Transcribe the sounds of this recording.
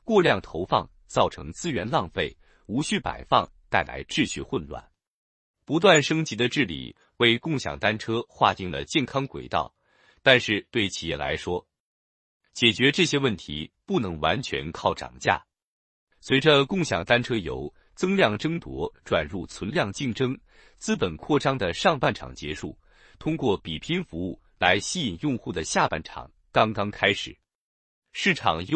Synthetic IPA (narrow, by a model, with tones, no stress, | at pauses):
kwɔ˥˧ljɑ˥˩ŋt̪ʰo˧˥ʊfɑ̰˥˧ŋ | t͡sɑ˥˩ʊʈ͡ʂʰɤ̰˧˥ŋt͡sɹ̩˥ɥɛ˧˥nlɑ˥˧ŋfe˥˩ɪ | u˧˥ɕy˥˩pa̰˨˩ɪfɑ˥˧ŋ | t̪a˥˩ɪla̰˧˥ɪʈ͡ʂɻ̩˥˧ɕy˥˧xwə˥˧nlwa̰˥˩n | pu˧˥t̪wa˥˩nʂɤ˥ŋt͡ɕi˧˥d̪ə˧ʈ͡ʂɻ̩˥˩lḭ˨˩ | we˥˧ɪkʊ˥˩ŋɕjɑ̰˨˩ŋt̪a˥nʈ͡ʂʰɤ˥xwa̰˥˧t̪i˥˩ŋlə̰˩t͡ɕjɛ˥˩nkʰɑ˥ŋkwḛ˨˩ɪt̪ɑ̰˥˩ʊ | t̪a˥˧nʂɻ̩˥˧t̪we˥˩ɪt͡ɕʰi˨˩jɛ˥˩la̰˧˥ɪʂwɔ˥ | t͡ɕjɛ˨˩t͡ɕɥɛ˧˥ʈ͡ʂɤ˥˩ɕjɛ˥wə˥˩nt̪ʰḭ˧˥pu˥˩nɤ˧˥ŋwa˧˥nt͡ɕʰɥɛ̰˧˥nkʰɑ˥˩ʊʈ͡ʂɑ̰˨˩ŋt͡ɕja̰˥˩ | swe˧˥ɪʈ͡ʂə˧kʊ˥˩ŋɕjɑ̰˨˩ŋt̪a˥nʈ͡ʂʰɤ˥jo̰˧˥ʊ | t͡sɤ˥ŋljɑ˥˩ŋʈ͡ʂɤ˥ŋt̪wɔ̰˧˥ʈ͡ʂwa̰˨˩nɻu˥˩t͡sʰwə˧˥nljɑ˥˧ŋt͡ɕi˥˩ŋʈ͡ʂɤ˥ŋ | t͡sɹ̩˥pə˨˩nkʰwɔ˥˩ʈ͡ʂɑ˥ŋd̪ə˨ʂɑ˥˧ŋpa˥˩nʈ͡ʂʰɑ̰˨˩ŋt͡ɕjɛ˧˥ʂu˥˩ | t̪ʰʊ˥ŋkwɔ˥˩pi˨˩pʰi˥nfu˧˥u˥˩ | la˧˥ɪɕi˥i˨˩ŋjʊ˥˧ŋxu˥˩d̪ə˩ɕja˥˧pa̰˥˩nʈ͡ʂʰɑ̰˨˩˦ŋ | kɑ˥ŋkɑ˥ŋkʰa˥ɪʂɻ̩˨˩˦ | ʂɻ̩˥˩ʈ͡ʂʰɑ̰˨˩ŋ